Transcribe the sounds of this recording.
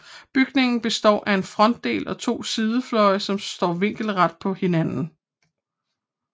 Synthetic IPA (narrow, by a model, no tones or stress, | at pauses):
b̥yɡ̥ne̝ŋn̩b̥e̝sd̥ɒ̰ːʔæe̝nfʁɒ̽n̰d̥ːe̝̰ːlʔɒ̽t͡sʰo̝̰ːsiðˠəflɒ̽ɪəsɒ̽msd̥ɒ̰ːʋe̝ŋ̰ɡ̥l̩ʁad̥̚pʰɒ̽he̝nænn̩